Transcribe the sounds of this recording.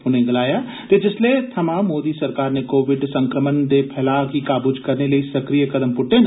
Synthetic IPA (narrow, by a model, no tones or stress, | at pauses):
ʊnẽɡɐlaːja | t̪ed͡ʒɪslet̪ʰɐmãmoːd̪isɐɾkaːɾnekoːʋɪɖsɐ̃ŋkɾəmənd̪epʰɛːlakikaːbud͡ʒkɐɾnelɐisɐkɾijəkɐd̪əmpʊʈːẽn